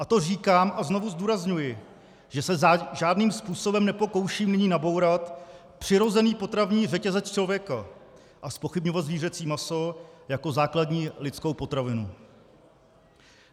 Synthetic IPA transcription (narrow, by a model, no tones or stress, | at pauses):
ʔat̪o̞riːkaːmʔazno̞vuzduːɾazɲujɪ | ʒ̥ɛsɛaʒaːdniːmspuːso̞bɛmnɛpo̞ko̞wʃiːmnɪɲiːnabo̞wɾat̪ | pr̝̥ɪɾo̞zɛniːpo̞t̪ɾavɲiːr̝ɛcɛzɛt͡st͡ʃlo̞vjɛka | ʔaspo̞xɪbɲo̞vat̪zviːrɛt͡siːmaso̞jako̞zaːkladɲiːlɪtt͡sko̞wpo̞t̪ɾavɪnṵ